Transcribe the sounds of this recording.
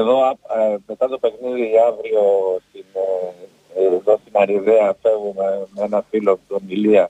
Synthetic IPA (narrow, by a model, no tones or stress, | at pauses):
eðo̞apmet̪ɐt̪opekniðiavɾiost̪in | eðost̪inɐɾiðeɐfe̞vumemeenɐfilot̪omiliɐ